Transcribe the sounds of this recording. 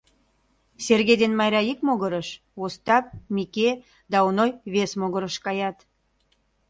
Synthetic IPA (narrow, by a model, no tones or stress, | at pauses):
serɣed̪enmɑjɾʲɑikmoɣəɾəʃ | ost̪ɑp̚mike | d̪ɑonojβesmoɣəɾəʃkɑjɑt̪